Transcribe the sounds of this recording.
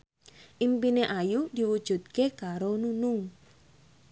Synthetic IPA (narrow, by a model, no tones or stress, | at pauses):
ʔimpineʔajud̪̥i̤wud̥ʒ̥ṳt̪̚kekaɾonunʊŋ